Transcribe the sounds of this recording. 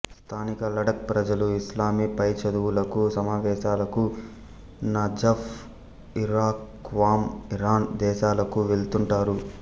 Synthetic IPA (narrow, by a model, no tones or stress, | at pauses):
st̪ʰaːnikɐlɐɽɐk̚pɾɐd͡ʒɐluislaːmipɐjt͡ʃɐd̪uwulɐkusɐmaːʋɛːʃaːlɐku | nɐd͡ʒɐf | iɾaːk | ʋaːmiɾaːnd̪ɛːʃaːlɐkuʋelt̪uɳʈaːɾu